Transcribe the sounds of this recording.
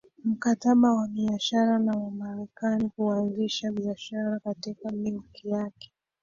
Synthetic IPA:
m̩kataɓawaɓiaʃaɾanawamaɾɛkanikuanziʃaɓiaʃaɾakatikamiukʰijakɛ̥

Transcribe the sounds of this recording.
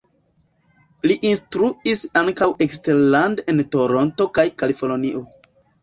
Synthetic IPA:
liʔinstɾuisaŋkawʔeksteɾlande̞nto̞ɾo̞nto̞kajkalifoloniʔo̞

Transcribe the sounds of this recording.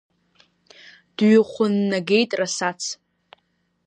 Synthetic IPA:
d̥ɥɪχʷʊnːaɡʲe̞jtʼrasat͡sʰ

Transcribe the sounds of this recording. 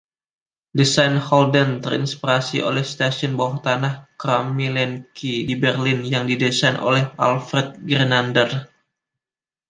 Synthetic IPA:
disajnhɔldənt̪ərḭnspiɾasiʔo̰lɛhst̪asɔnbawaht̪anahkɾamilɛnkʰidibɛrlɪnjaŋdidɛsajnʔo̰lɛhʔalfɾɛt̪̚ɡɾenandər

